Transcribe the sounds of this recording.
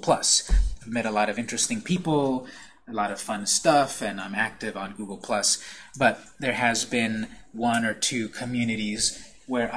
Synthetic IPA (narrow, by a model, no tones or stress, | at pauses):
pʰl̥ʌsavmɛɾəlɔɾʌvɪ̃nt͡ʃɹ̥ɨstɪ̃ŋpʰipl̩ˠ | əlɔɾʌv̥fʌ̃nstʌfɨ̃nãɪ̃mæk̚tɨvn̩ɡuɡl̩ˠpʰl̥ʌsb̥ʌt̪̚ðə˞ɨzbɪ̃nwʌ̃nə˞tʰʉkʰɨmjʉnɨɾiz | wə˞ʔ